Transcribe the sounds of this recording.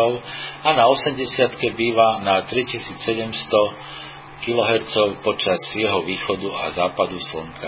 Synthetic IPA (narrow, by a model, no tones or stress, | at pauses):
ɔʊanaɔsɛmɟɛsɪat̪kɛbiːʋanat̪ɾicisiːt͡ssɛɟɛmst̪ɔ | kilɔɦɛɾt͡sɔʊpɔt͡ʃazjɛɦɔʋiːxɔd̪ua̰zaːpad̪usl̩ŋkʰa